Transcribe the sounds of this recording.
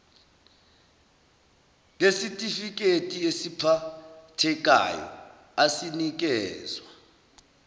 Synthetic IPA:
ŋesitʼifik̬ʼetʼiesipʰatʰɛk̬ʼa̰jɔ̰ | asinik̬ɛːzwa

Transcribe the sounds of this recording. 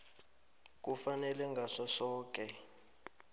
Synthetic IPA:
k̬ʼufanɛlɛŋɡʱaʂasɔːk̬ʼɛ

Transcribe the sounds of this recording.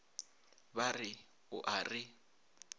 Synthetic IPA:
βarɪ | ʊ̰ʔarɪ

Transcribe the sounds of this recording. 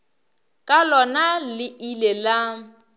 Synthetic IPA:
kʼalɔnalɪilela

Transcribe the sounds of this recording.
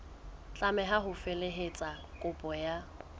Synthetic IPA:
t͡ɬʼamɛɦaɦʊfeleɦet͡sʼakʼʊpʼɔja

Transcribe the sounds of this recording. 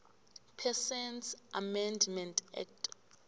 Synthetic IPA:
pʰɛsɛnsʔamɛndmɛntʰʼɛ̰k̚tʰʼ

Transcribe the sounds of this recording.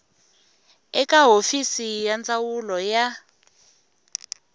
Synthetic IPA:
ɛkaɦofisijand͡zawulɔja

